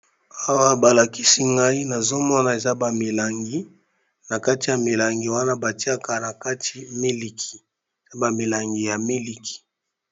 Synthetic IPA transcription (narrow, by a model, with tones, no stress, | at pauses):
a˦wa˦ba˨la˨ki˦si˦ŋɡa˦i˦na˨zo˦mɔ˦na˨e˨za˦ba˨mi˨la˨ŋɡi˦ | na˨ka˦ti˨ja˨mi˨la˨ŋɡi˨wa˦na˦ba˨ti˦a˦ka˨na˨ka˦ti˨mi˦li˨kʰi̥˨ | e˨za˦ba˨mi˨la˨ŋɡi˨ja˨mi˦li˨kʰi̥˨